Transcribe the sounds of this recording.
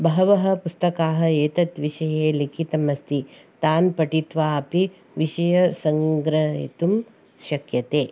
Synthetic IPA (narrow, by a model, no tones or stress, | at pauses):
bɐɦɐʋɐɦɐ̆pust̪ɐkaːɦɐ̆eːt̪ɐt̪ʋiʃɐjeːlikʰit̪ɐmɐst̪it̪aːnpɐʈit̪ʋaːɐpi | ʋiʃɐjɐsɐŋɡɾɐɦḭt̪um | ʃɐkjɐt̪eː